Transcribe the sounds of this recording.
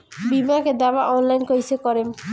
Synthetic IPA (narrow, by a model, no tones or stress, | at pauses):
bimaked̪ɛbaʔɔnlajnkojsekɔɾem